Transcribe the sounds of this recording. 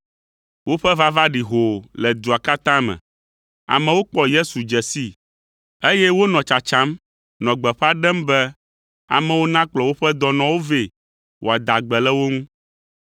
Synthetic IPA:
wo˦ɸɛ˦va˦va˦ɖi˨ɦo˨lɛ˨d̪u˨a˨ka˦t̪ã˦mɛ̰̃˨ | a̰˨mɛ̃˨wo˦k͡pɔ˦je˦su˨d͡ʒɛ˨si˦ | e˦jɛ˦wo˦nɔ̃˨t͡ʃa˨t͡ʃã˦m | nɔ̃˨ɡ͡bɛ˨ɸa˦ɖɛ˦mbɛ˦ | a̰˨mɛ̃˦wo˦nã˦k͡plɔ˨wo˦ɸɛ˦d̪ɔ˦nɔ̃˦wo˦ve˨ | wo˨a˨d̪a˨ɡ͡bɛ˨lɛ˦wo˦ŋũ˦

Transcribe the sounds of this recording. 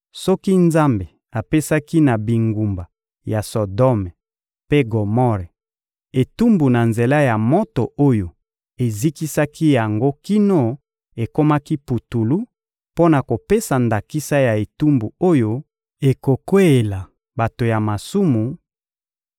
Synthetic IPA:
sɔ˦ki˦nza˦mbe˨ | a˨pe˦sa˦ki˦na˨bi˨ŋɡu˨mba˨ | ja˨so˨dɔ˦mɛ˨ | pe˦ɡo˨mɔ˦ʁɛ˨ | e˨tu˦mbu˨na˨nze˨la˦ja˨mo˦to˨ʔo˦jo˨ | e˨zi˦ki˦sa˦kʰi˦ja˨ŋɡo˦ki˦no˦ | e˨ko˦ma˦ki˦pu˨tu˨lu˦ | po˦na˨ko˨pe˦sa˨nda˨ki˦sa˦ja˨e˨tu˦mbu˨o˦jo˦ | e˨ko˨kwe˦e˨la˨ | ba˨to˨ja˨ma˨su˦mu˨

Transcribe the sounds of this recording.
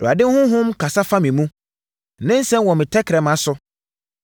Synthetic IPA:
dʊ˨a˨dɪ˦hʊ̃˦ɦʊ̃˦mkʰa˨sa˦fa˦mɪ̃˨mũ˦˨ | nɪ̃˦n̩˦sɛ̃˦m˦wɔ˨mɪ̃˨tʰɛ˦kʰɪ˨ɾɛ˨mã˨˦sʊ˨

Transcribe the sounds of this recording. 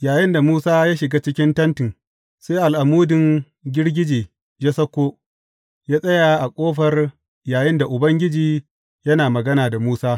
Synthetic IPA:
jaː˨jɪ˦nda˨muː˦saː˦jaː˦ʃɪ˨ɡaː˦t͡ʃɪ˦kʲɪ˦ntɐ˦ntɪ˨ŋ | seː˦ʔa˨lʔa˨muː˦dɪ˨ŋ | ɡʲɪ˦ɽɡʲɪ˦d͡ʒiː˨ | d͡ʒe˦sɐ˦kʷːoː˦ | jaː˦sʼɐ˦jaː˨ʔa˨kʷʼoː˦ɸɐ˨r | jaː˨jɪ˦nda˨ʔʊ˨bɐ˦ŋɡʲɪ˦d͡ʒiː˨ | jɐ˦naː˨mɐ˨ɡɐ˦naː˨da˨muː˦saː˦

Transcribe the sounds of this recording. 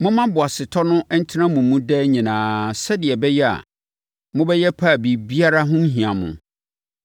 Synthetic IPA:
mʊ̃˦mã˦bʊ˨a˨sɪ˨tʰɔ˦nʊ̃˦ʔɛ˦n̩˦tʰɪ˦nã˦mũ˨˦mũ˦dɛ˦ɲĩ˨nãː˨sɛ˦dɪ˨ɛ˨bɛ˦jɛ˦a̰˨ | mʊ̃˦bɛ˦jɛ˦pʰa˦˨bi˨bi˦a˦ɾa˦ɦʊ̃˦n̩˦ɦĩ˨ã˨mʊ̰̃˨

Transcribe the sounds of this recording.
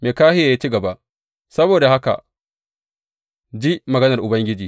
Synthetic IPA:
meː˨kaː˦hɪ˦jaː˨jaː˦t͡ʃiː˦ɡɐ˨ba˦ʔ | sɐ˦boː˨da˨ha˦ka̰˨ | d͡ʒi˦mɐ˨ɡɐ˦nɐ˨rʔʊ˨bɐ˦ŋɡʲɪ˦d͡ʒiː˨

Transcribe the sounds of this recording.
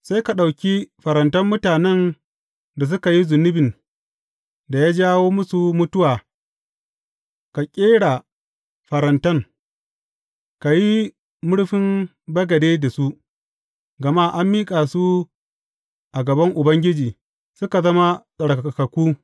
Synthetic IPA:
sa˦jka˨ɗa˨wkʲi˦ɸɐ˨ɾɐ˨ntɐ˦mːʊ˦taː˨nɛ˦n | da˨s̬ʊ˦ka˨ji˦zʊ˨nʊ˦bɪ˨n | da˨jaː˦d͡ʒaː˦woː˦mʊ˦su˨mʊ˦tʊ˦waː˨ | ka˨kʲʼeː˦ɽa˨ | ɸɐ˨ɾɐ˨ntɐ˦ŋ | ka˨ji˦ | mʊ˦ɽɸɪ˦m | bɐ˦ɡɐ˨deː˦da˨su˦ | ɡɐ˨ma˦ʔa˦mːiː˦kʼa˨su˦ | ʔa˨ɡɐ˨bɐ˦ŋʔʊ˨bɐ˦ŋɡʲɪ˦d͡ʒiː˨ | sʊ˦ka˨zɐ˦ma˦sʼɐ˨ɽka˨ka˨kɐ˨kʷuː˦

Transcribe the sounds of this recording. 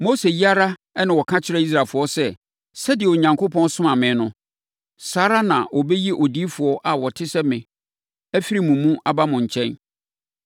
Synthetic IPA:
mo˦se˨ji˦a˦ɾa˦ | ɛ˦nã˨wɔ˨kʰã˦t͡ɕʰɪ˦ɾɛ˦i˦s̬ɾaː˨fʊ˨ɔ˦sɛ˦ | sɛ˦dɪ˨ɛ˨o˨ɲã˨ŋkʰo˦pʰɔ̃˦nsʊ̃˦mã˨mɪ̃˨˦nʊ̃˦ | saː˦ɾa˦nã˨wɔ˨bɛ˦ji˦ʔɔ˨di˦fʊ˨ɔ˦ʔa˨wɔ˨tʰɪ˦sɛ˦mɪ̃˨ | æ˦fi˦ɾi˨mũ˨mũ˦ʔa˨ba˦mʊ̃˨ɲ̩˨t͡ɕʰɛ̃˦n

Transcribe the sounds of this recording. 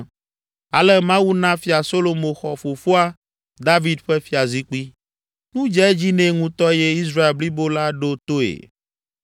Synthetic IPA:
a̰˨lɛ˦mã˦wu˦nã˦fi˨a˨so˦lo˨mõ˨xɔ˨fo˨fo˦a˦ | d̪a˦vi˦d̪ɸɛ˦fi˦a˨zi˦k͡pi˦ | ŋũ˦d͡ʒɛ˦ɛ˦d͡ʑi˦nɛ̃˦ŋũ˦t̪ɔ˦jɛ˦i˦s̬ɾa˦e˨lbli˦bo˦la˦ɖo˦t̪o˦ḛ˨

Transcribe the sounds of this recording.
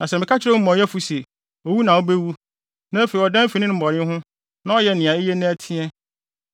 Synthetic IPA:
nã˨sɛ˨mɪ̃˨kʰa˦t͡ɕʰɪ˦ɾɛ˦m̩˦mã˨jɛ˦fu˦se˨ | o˨wu˦nã˨ɔ˦be˦wu˦ | nã˦fe˨i˨ɔ˨dã˦m˦fi˨nɪ̃˦nʊ̃˦m̩˨bɔ˨ɾɪ̃˦ɦʊ̃˦ | nã˦ɔ˦jɛ˦nɪ̃˨ã˨e˦jɛ˦nã˦æ˨tʰɪ̃˦ɛ˦

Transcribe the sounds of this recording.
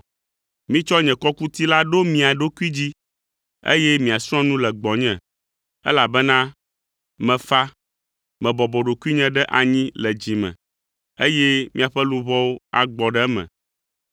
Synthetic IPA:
mĩ˦t͡ʃɔ˦ɲɛ̃˨kɔ˦ku˦t̪i˦la˦ɖo˦mĩ˨a˨ɖo˦ku˦i˦d͡ʑi˦ | ḛ˦jɛ˦mĩ˨a˨sɔ̃˦nũ˦lɛ˨ɡ͡bɔ˨ɲɛ̃˨ | ɛ̰˦la˨bɛ˦nã˦ | mɛ̃˨fa˦ | mɛ̃˨bɔ˨bɔ˨ɖo˨ku˦i˦ɲɛ̃˦ɖɛ˦ʔa˨ɲĩ˦lɛ˨d͡ʑi˨mɛ̰̃˨ | e˦jɛ˦mḭ̃˦a˨ɸɛ˦lũ˨βɔ˦wo˦a˨ɡ͡bɔ˨ɖɛ˦mɛ̰̃˨

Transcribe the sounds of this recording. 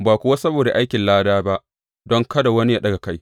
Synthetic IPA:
baː˨kʷʊ˦wa˦sɐ˦boː˨da˨ʔa˦jkʲɪ˨nlaː˦daː˦ba˦ʔ | dɔ˦ŋkɐ˦da˨wɐ˦ni˦ja˦ɗɐ˦ɡa˨ka˦j

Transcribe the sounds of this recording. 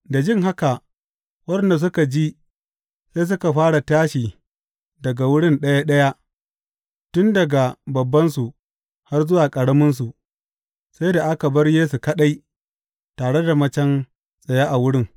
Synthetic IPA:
da˨d͡ʒɪ˦ŋɦa˦ka˨ | wɐ˦ɗɛ˨nda˨s̬ʊ˦ka˨d͡ʒi˦ | se˦s̬ʊ˦ka˨ɸaː˦ɽa˨taː˦ʃiː˨ | dɐ˨ɡa˨wʊ˦ɽɪ˦nɗɐ˦ja˦ɗɐ˦ja˦ | tʊ˦ndɐ˨ɡa˨bɐ˨bːɐ˦nsu˨ | ha˦rzʊ˦waː˨kʼɐ˨ɽɐ˦mʊ˦ns̬u˨ | sa˦jda˨ʔa˦ka˨bɐ˦rjeː˦su˨kɐ˦ɗa˦j | taː˨ɽe˦da˨mɐ˦t͡ʃɐ˦n | sʼɐ˨ja˦ʔa˨wʊ˦ɽɪ˦ŋ

